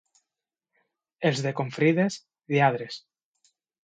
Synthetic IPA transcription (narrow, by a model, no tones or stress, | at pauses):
elzðekoɱfɾiðes | ðiaðɾes